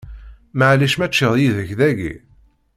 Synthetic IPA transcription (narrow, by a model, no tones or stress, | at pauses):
məʕliʃmæt͡ʃːəðˤjiðəçðæɡḭ